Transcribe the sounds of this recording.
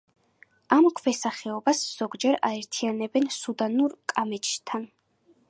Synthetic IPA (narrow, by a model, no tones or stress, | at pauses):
amkʰvɛsaχɛɔbasz̥ɔɡd͡ʒɛɾaɛɾt̪ʰijanɛbɛnsud̪anuɾkʼamɛt͡ʃʰʼt̪ʰan